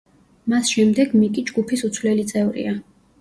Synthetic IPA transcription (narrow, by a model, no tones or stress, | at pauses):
masʃɛmd̪ɛɡmikʼid͡ʒɡupʰisut̪sʰvlɛlit̪sʼɛvɾḭa